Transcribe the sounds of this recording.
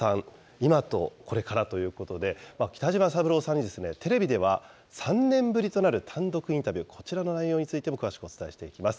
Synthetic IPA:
sãŋ | imat̪o̞kʰo̞ɾe̞kaɾat̪o̞jɯ̟ːko̞t̪o̞d̪e̞makʲi̥t̪aʑimasabɯ̟ɾo̞ːsãɲ̟ːid̪e̞sɨnet̪e̞ɾe̞bʲid̪e̞β̞a | sãnnẽ̞mbɯ̟ɾʲit̪o̞naɾɯ̟t̪ʰãnd̪o̞kɯ̟ĩnt̪abʲɨːkʰo̞̥t͡ɕiɾano̞naijo̞ːɲ̟it͡sɨit̪e̞mo̞kɯβaɕi̥kɯ̟o̞t͡sɨ̥t̪aiɕi̥t̪e̞ikʲimasɨ̥

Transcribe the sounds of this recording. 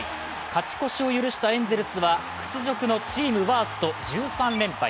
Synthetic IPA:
kat͡ɕi̥ko̞ɕio̞jɯɾɯ̟ɕi̥t̪aẽ̞nd͡ze̞ɾɯ̟sɨβakɯ̟̥t͡sɨʑo̞kɯ̟no̞t͡ɕiːmɯ̟βaːsɨ̥t̪o̞d͡ʑɨːsãnɾẽ̞mpa̰ḭ

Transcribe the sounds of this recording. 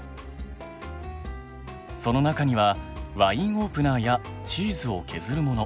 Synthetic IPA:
so̞no̞nakaɲ̟iβaβaĩɰ̃o̞ːpɯ̟naːjat͡ɕiːzɨo̞kʰe̞zɨɾɯ̟mo̞no̞

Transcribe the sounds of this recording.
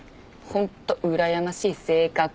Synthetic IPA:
hõ̞nt̪ːo̞ʔɯ̟ɾajamaɕiːse̞ːkak

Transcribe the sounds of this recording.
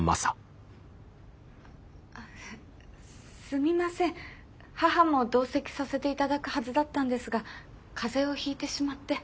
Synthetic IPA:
ma̰sa | a | sɨmʲimasẽ̞ɰ̃ | haɦamo̞d̪o̞ːse̞kʲi̥sase̞t̪e̞it̪ad̪akɯ̟hazɨd̪at̪ːãnd̪e̞sɨɡa | kʰaze̞o̞çiːt̪e̞ɕimat̪ːe̞

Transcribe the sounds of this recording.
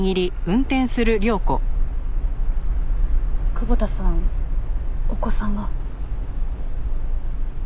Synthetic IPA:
ŋiɾʲiɯ̟̃nt̪ẽ̞ɰ̃sɨɾɯ̟ɾʲo̞ːko̞ | kɯ̟bot̪asãŋ | oko̞sãŋɡa

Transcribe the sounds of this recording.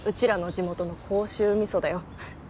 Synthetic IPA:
ɯ̟t͡ɕiɾano̞d͡ʑimo̞t̪ono̞kʰo̞ːɕɨːmʲiso̞d̪ajo̞

